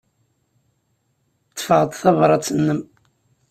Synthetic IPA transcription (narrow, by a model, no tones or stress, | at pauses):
t͡sːfəʁət̪ˤθɑvɾˤɑt͡sːənːəm